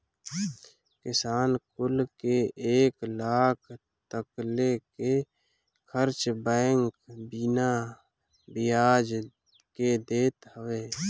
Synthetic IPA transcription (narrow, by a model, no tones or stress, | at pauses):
kɪsaːnkʊlkeeːklaːkʰ | t̪əkleke | kʰəɾt͡ʃbɛ̃ːŋkbina | bɪjaːd͡ʒ | ked̪eːt̪həweː